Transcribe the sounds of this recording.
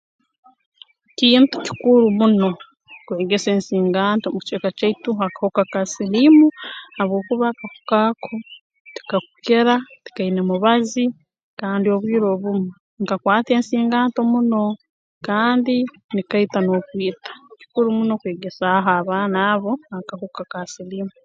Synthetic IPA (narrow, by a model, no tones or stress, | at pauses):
ciːntu̥ci̥kuɾumuno̞ | kwe̞ːɡe̞seːnsiːŋɡaːntomuct͡ʃeːkat͡ʃaituakḁhokakasilimuhaβwo̞ːkuβakaku̥kakʰo̞ | ti̥kaku̥keɾati̥kainemuβazi | kaːndio̞βwiːɾo̞βumu | ŋkakwaːte̞ːnsiːŋɡaːnto̞muno̞ | kaːndi | nikaitano̞ːkwiːtḁci̥kuɾumuno̞kwe̞ːɡe̞saɦoaβaːnaβo̞akahokakasiliːmu